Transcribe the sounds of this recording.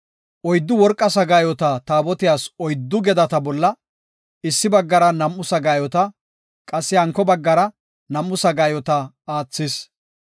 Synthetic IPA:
ʔɔjd̪ːʊwɔɾkʼːɐsɐɡaːjɔt̪ɐt̪aːbɔt̪ɪjaːsɔjd̪ːʊɡɛd̪ɐt̪ɐbɔlːɐ | ɪsːɪbɐɡːɐɾɐnɐmʔːʊsɐɡaːjɔt̪ɐ | kʼɐsːɪɐŋkːɔbɐɡːɐɾɐ | nɐmːʊsɐɡaːjɔt̪ɐ | aːt͡sːɪs

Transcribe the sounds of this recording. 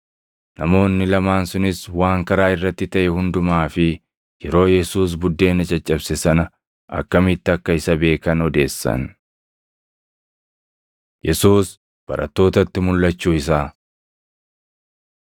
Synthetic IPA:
nɐmo̞ːnːɪlɐmaːnsʊnɪswaːŋkɐɾaːɪrːɐt̪ːɪt̪ɐʔɛhʊnd̪ʊmaːfɪ | jɛɾo̞ːjɛsuːs̬bʊd̪ːe̞ːnɐt͡ʃʼɐt͡ʃʼːɐbsɪsɐnɐ | ʔɐ̰kːɐmɪt̪ːɪɐkːɐɪsɐbe̞ːkɐnɔd̪e̞ːsːɐ̰n | jɛsuːs | b̥ɐ̰ɾʔɐt̪ːo̞ːt̪ɐt̪ːɪmʊlːɐt͡ʃːuːɪs̬aː

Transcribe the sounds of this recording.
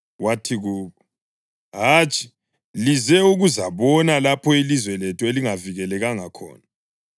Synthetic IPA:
watʰiɣuːkɔ | ɦaːt͡ʃʼi̥ | lizɛuɣuzaβɔnalapʰɔilizwɛlɛtʰueliŋaviɣɛlɛɣaŋakʰɔ̰ːna

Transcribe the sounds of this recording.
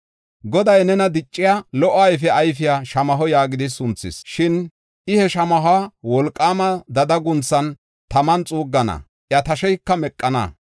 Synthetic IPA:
ɡɔd̪ɐjnɛnɐd̪ɪt͡ʃʼːɪjaːlɔʔːajfɛɐjfɪjaːʃɐmɐɦɔjaːɡɪd̪ɪsʊnt͡sːɪ̰sʃɪn | ʔɪhɛʃɐmɐɦaːwɔlkʼːaːmɐd̪ɐd̪ɐɡʊnt͡sːɐn | t̪ɐmɐnt͡sʼuːɡːɐnɐ̰ | ʔjɐt̪ɐʃɛjkːɐmɛkʼːɐnɐ̰

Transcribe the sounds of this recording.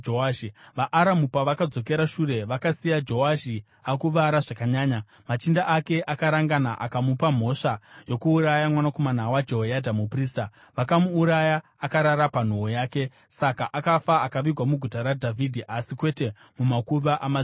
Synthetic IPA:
oaʃiʋaʔːɾamupaʋakad͡zo̞k̬e̞ɾaʃuɾe̞ʋakasijad͡ʒo̞waʃi | akuʋaɾaʐakaɲaːɲa | mat͡ʃindaʔake̞ʔakaɾaŋɡanaʔakamupam̤o̞ʂajo̞kuːɾajamwanako̞manawad͡ʒoɦojadʱamupriːsta | ʋakamuːɾajaːkaɾaɾapan̤oojaːke̞ | sakaʔakafaakaʋiɡʱwamuɡʱutaɾadʱavʱidʱiʔasikwe̞te̞ | mumakuʋaʔama

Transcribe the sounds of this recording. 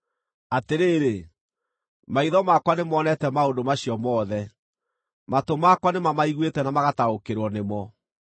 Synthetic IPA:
ateɾeːɾe | maiðɔmakwanemɔnɛtɛmaondomaɕiɔmɔːðɛ | matomakwanemamaiɣwetɛnamaɣataokeɾwɔnemɔ

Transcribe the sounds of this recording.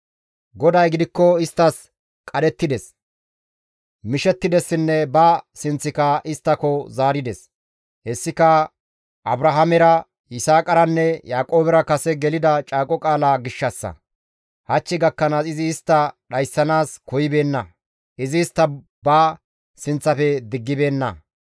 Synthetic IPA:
ɡɔd̪ɐjɡɪd̪ɪkːɔɪst̪ːɐs | kʼɐd̪ɛt̪ːɪd̪ɛs | mɪʃɛt̪ːɪd̪ɛsːɪnːɛbɐsɪnt͡sːɪkɐʔɪst̪ːɐkɔzaːɾɪd̪ɛs | hɛsːɪkɐ | ʔɐbɾɐɦɐmɛɾɐ | ɪsaːkʼɐɾɐnːɛjaːkʼo̞ːbɛɾɐkɐsɛɡɛlɪd̪ɐt͡ʃʼaːkʼɔkʼaːlaːɡɪʃːɐsːɐ̰ | hɐt͡ʃːɪɡɐkːɐnaːsɪzɪːst̪ːɐɗɐjsːɐnaːskɔjɪbe̞ːnːɐ | ʔɪzɪːst̪ːɐ | baː | sɪnt͡sːɐfɛd̪ɪɡːɪbe̞ːnːɐ̰

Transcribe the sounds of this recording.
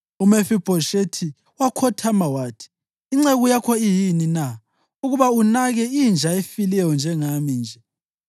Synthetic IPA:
umefib̥ʱɔʃetʰi | wakʰɔtʰamawaːtʰi̥ː | ŋ͡ǀeɣujakʰɔijinina | uɣuβaunaɣɛind͡ʒʱaefilɛjɔnd͡ʒʱɛŋamind͡ʒʱɛ

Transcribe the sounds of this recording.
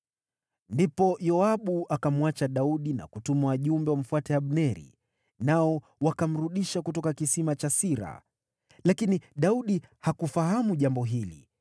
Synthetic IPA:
ndipɔjɔaɓuʔakamuwat͡ʃaɗauɗina̰kutumawaʄumbɛwam̩fwatɛaɓnɛɾḭ | naɔ | wakam̩ɾuɗiʃakutɔkakisimat͡ʃasiɾa̰ | lakiniɗauɗihakufaɦamuʄambɔɦilḭ

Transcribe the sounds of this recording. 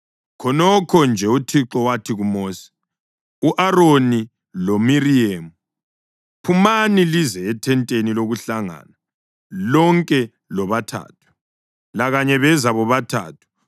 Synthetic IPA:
kʰɔnɔkʰɔnd͡ʒʱɛutʰiǁɔwatʰiɣumoːsi̥ | uʔaɾoni | lomiriemu | pʰumanilizɛːtʰɛntʼeniloɣuɬaŋa̰na | lɔŋkʼɛ | lɔβatʰa̰ːtʰu̥ | laɣaɲɛβɛzaβɔβatʰa̰ːtʰu̥

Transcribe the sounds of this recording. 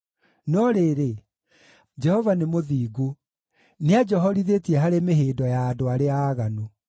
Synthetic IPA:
nɔɾeɾe | d͡ʒɛhɔvanemoðiːɡo | nead͡ʒɛɦɔɾiðetiɛɦaɾemeɦeːdɔjaːdoaɾeaːɣano

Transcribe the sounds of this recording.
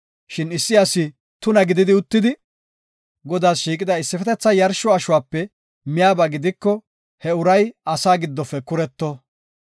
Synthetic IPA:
ʃɪnɪsːɪɐsɪ | t̪ʊnɐɡɪd̪ɪd̪ɪʊt̪ːɪd̪ɪ | ɡɔd̪aːsʃiːkʼɪd̪ɐɪsːɪfɛt̪ɛt͡sːɐjɐɾʃɔɐʃʊwaːpːɛ | mɪjaːbɐɡɪd̪ɪkːɔ | hɛʊɾɐjɐsaːɡɪd̪ːɔfːɛkʊɾɛt̪ːɔ

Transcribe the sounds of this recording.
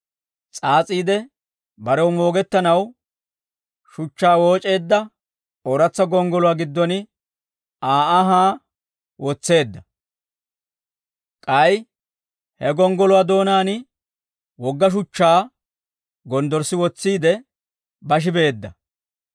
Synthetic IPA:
t͡sʼaːt͡sʼiːd̪ɛ | bɐɾɛwmo̞ːɡɛt̪ːɐnɐw | ʃʊt͡ʃːaːwo̞ːt͡ʃʼe̞ːd̪ːɐ | oɾɐt͡sːɐɡɔŋɡɔlʊwaːɡɪd̪ːɔnɪ | aːʔaɦaː | wɔt͡sːe̞ːd̪ːɐ | kʼɐj | hɛɡɔŋɡɔlʊwad̪o̞ːnaːnɪ | wɔɡːɐʃ̬ʊt͡ʃːaː | ɡɔnd̪ɔɾsːɪwɔt͡sːiːd̪ɛ | bɐʃ̬ɪbe̞ːd̪ːɐ

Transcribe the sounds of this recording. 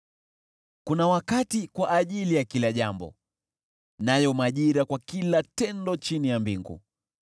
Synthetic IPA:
kunawakatikwaʔːʄilijakilaʄambɔ̰ | najɔmaʄiɾakwakilatɛndɔt͡ʃinijambiŋɡṵ

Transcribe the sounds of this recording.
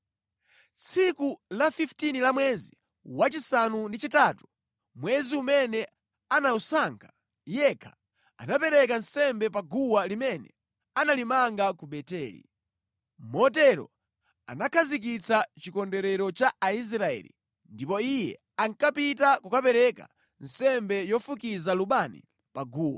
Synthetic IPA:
t͡sikulafiftinilamwɛzi | wat͡ʃisanundit͡ʃitatu̥ | mwɛziumɛnɛ | anausaŋkʰḁ | jɛkʰḁ | a̰napɛɾɛk̬ansɛmbɛpaɡuwalimɛnɛ̰ | analimaŋɡakuɓɛtɛːlḭ | mɔt̬ɛɾɔ̰ | a̰nakʰazik̬it͡sat͡ʃikɔndɛɾɛɾɔt͡ʃaais̬ɾaɛ̰lḭ | ndipɔijɛ̰ | aŋkapitakukapɛɾɛka̰ | n̩sɛmbɛjɔfukizaluɓanḭ | paɡuːwa̰

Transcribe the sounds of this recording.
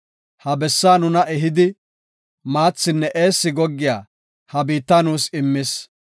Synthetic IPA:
hɐbɛsːaːnʊnɐʔɛɦɪd̪ɪ | maːt͡sːɪnːɛʔe̞ːsːɪɡɔɡːɪjaː | hɐbiːt̪ːaːnuːsɪmːɪs

